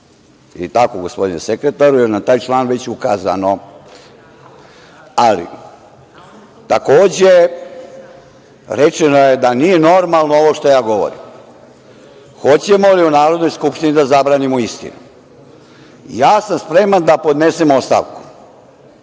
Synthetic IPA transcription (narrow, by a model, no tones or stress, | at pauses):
it̪akouɡospo̞d̪inesekɾet̪aɾujeɾnat̪aːjt͡ʃlˠaːnʋe̞t͡ɕukaːza̰no | alḭ | t̪ako̞ːd͡ʑe | ɾet͡ʃenojed̪anije̞no̞ɾmalˠnooʋoʃt̪ojaːɡo̞ʋo̰ɾḭm | xo̞t͡ɕemo̞liunaːɾo̞d̪no̞jskupʃt̪inid̪azabɾaːnimuist̪ḭnu | jaːsamspɾe̞mand̪apo̞d̪nesemost̪a̰ʋku̥